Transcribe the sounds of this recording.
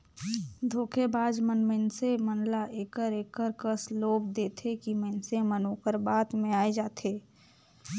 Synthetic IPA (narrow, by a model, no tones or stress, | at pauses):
d̪ʱoːkʰebaːd͡ʒmənmənsemənlaʔeːkəɾeːkəɾkəsloːbd̪eːt̪ʰekimənsemənoːkəɾbaːt̪mẽaːed͡ʒaːt̪ʰeː